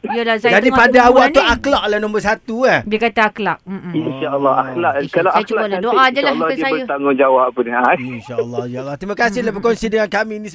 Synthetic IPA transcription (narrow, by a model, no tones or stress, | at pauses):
jalasad͡ʒadipadaawakt̪uaklaʔlahnɔ̃mbərsat̪uahbiakat̪aaklaʔ̚m̩inʃaəlːɑaklaʔkalaalaldoadalalːɔajbət̪aŋɡʊŋd͡ʒawaʔpːunainʃalːɔʃalːɑt̪ɾimakasɪhlabəkonsidəŋankamĩni